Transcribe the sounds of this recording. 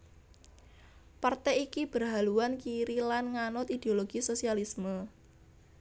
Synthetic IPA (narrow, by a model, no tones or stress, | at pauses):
part̪ɛikib̥ərɦaluwankiɾilanŋanʊt̪id̪̥eoloɡ̥isosialismə